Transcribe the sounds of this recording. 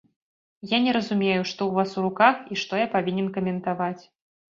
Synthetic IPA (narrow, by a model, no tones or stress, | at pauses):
janʲɛɾɐzumʲejuʂt̪ɔwvasuɾukaxiʂt̪ɔjapavʲinʲɛnkɐmʲɛnt̪avat͡sʲ